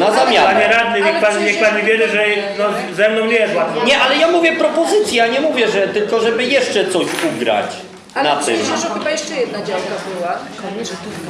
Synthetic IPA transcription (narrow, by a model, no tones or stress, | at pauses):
nazamʲjaaɲɲɛɾad̪ɲɛɲɛkpaɲɲɛk̚paɲɛvʲjɛɾɘʐɛnɔ | zɛmnɔ̃w̃ɲʲɛdwaɲɛʔalɛjamuvʲjɛpɾɔpɔzɘt̪sʲjaɲɛmuvʲjɛʐɛt̪ɘlkɔʐɛbɘjɛʂt͡ʂɛt̪sɔɕuɡɾa̰t͡ɕ | alat̪ɪ̰mʃɛɔxɨbajɛʂt͡ʂɛjɛd̪̚nad͡ʑawkabɪwa | kɔɲɛ